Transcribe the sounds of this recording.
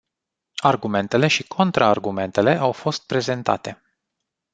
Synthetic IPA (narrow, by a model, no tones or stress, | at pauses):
arɡume̞nt̪e̞le̞ʃikʰo̞nt̪ɾʔaːrɡume̞nt̪e̞le̞ʔawfo̞st̪̚pɾe̞ze̞nt̪a̰t̪e̞